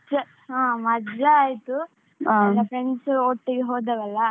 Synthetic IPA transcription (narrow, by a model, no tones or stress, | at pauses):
t͡ʃɐ | ãːmɐd͡ʒɐaːjt̪u | ɐlɐfɾeɳɖsoːʈːiɡeɦoːd̪ɐʋɛlːɐ